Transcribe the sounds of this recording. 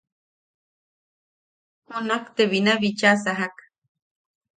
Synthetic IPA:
hunakt̪eβinaβit͡ʃasaɦak

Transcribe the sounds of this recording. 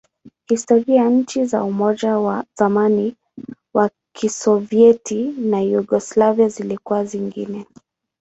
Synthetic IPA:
histɔɾiajaɲ̩t͡ʃiza̰umɔd͡ʒawaz̥amani | wa | kʰisɔviɛtinajuɡɔslaviazilikuwaziŋɡinɛ

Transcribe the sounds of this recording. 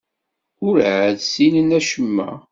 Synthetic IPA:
ʊɾʕəðsinənæʃəmːæ̰

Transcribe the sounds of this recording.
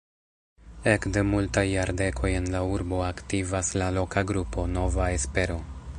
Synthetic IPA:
e̞kde̞multajːaɾde̞kʰo̞je̞nlauɾbo̞aktivaslalo̞kaɡɾupo̞no̞vae̞spe̞ɾo̞

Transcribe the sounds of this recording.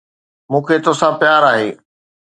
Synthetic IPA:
mũːkʰeːt̪osãpjaːɾaːɦḛː

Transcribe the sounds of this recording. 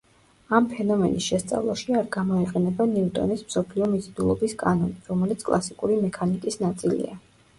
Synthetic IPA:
ampʰɛnɔmɛnisʃɛst̪sʼa̰vlˠaʃiaɾɡamɔiqʼɛnɛbaniut̪ʼɔ̰nismsɔpʰliɔmit̪sʰʼd̪ulˠɔbiskʼanɔniɾɔmɛlit̪sʰkʼlˠasikʼuɾimɛkʰanikʼisnat̪sʼilḭa̰

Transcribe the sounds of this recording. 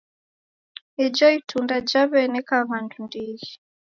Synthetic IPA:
id͡ʒɔitʰundad͡ʒaβɛnɛkaβandundiɣi

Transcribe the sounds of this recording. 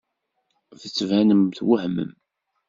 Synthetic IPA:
θət͡sːvænəmθwəhmə̰m

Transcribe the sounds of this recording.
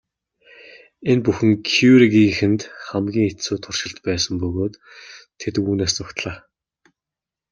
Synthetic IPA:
enpuxɘ̆ŋkʰuɾiɣiŋxɘ̆nt̪χamɡʲiːŋet͡suːt̪ʰʊr̥ʃɪ̆ɬt̪pæːsə̆mpɵɣoːt̪ʰː | et̪ɘ̆kuːneːs̬t͡sʊkt̪ɮaː

